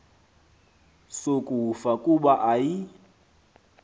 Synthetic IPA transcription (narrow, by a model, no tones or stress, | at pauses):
sokʼufakʼuɓaʔaji